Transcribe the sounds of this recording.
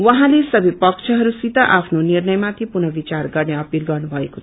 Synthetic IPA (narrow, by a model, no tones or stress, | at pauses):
wʌɦãlesʌbʱipʌkt͡ʃʰʌɦʌɾusit̪aʔapʰnoniɾnʌjmãt̪ʰipunʌbit͡ʃaɾɡʌɾneʌpilɡʌɾnubʱʌeko̥